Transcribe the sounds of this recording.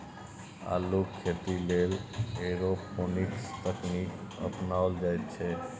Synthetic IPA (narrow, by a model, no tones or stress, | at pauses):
a̰lukkʰːet̪ileleɾoponikst̪əknikə̰pnaold͡ʒajt̪t͡ʃʰe